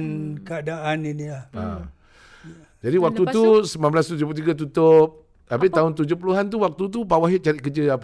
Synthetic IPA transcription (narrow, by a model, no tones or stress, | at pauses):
nkəadaʔaninilaa̰ | d͡ʒadiwak̚t̪ut̪usəmamblast̪ud͡ʒup̬ut̪iɡat̪̬ut̪ʊp̚ | abɪʔt̪aʊnt̪̬ud͡ʒʊpuluɦant̪uwak̚t̪ut̪̬upawaɦɪʔ̚t͡ʃaɾɪʔkəd͡ʒəap